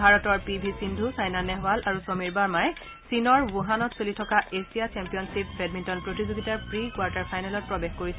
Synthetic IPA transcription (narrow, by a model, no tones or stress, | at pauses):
bʱaɹɔtɔɹpibʱisindʱusajnanɛɦwalʔaɹusomiɹbaɹmajɛ | sinɔɹbuɦanɔtsolitʰɔkaʔesijat͡ʃɛmpijɔnsipɹɛd̚mintɔnpɹotizoɡitaɹpɹikwaɹtaɹpʰajnalɔt̚pɹɔbexkoɹis